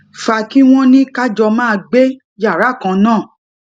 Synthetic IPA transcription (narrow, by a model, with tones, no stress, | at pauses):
fa˨ki˦w̃ɔ̃˦nĩ˦ka˦d͡ʒɔ˧mãː˦˧ɡ͡be˦ | ja˦˨ɾa˨˦˨kã˨˧nãː˦˨